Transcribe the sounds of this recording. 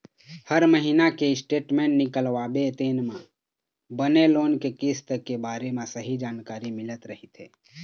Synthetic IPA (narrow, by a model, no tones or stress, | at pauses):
həɾməɦinakeɪsʈeːʈmẽːɳʈnɪkəlʋaːbet̪eːnmã | bəneloːnkekist̪əkebaːɾemẽsəɦid͡ʒaːnkaːɾimɪlət̪ɾəɦit̪ʰḛ